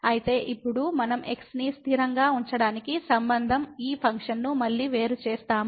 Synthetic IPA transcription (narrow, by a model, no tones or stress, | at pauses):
ɐjit̪e̞ːʔipːuɽumɐnɐme̞ksnist̪ʰiɾɐŋɡaːuɲt͡ʃɐɽaːnikisɐmbɐnd̪ʱɐmiːpʰɐŋkʂɐnːumɐɭːiːʋe̞ːɾut͡ʃeːst̪aːmu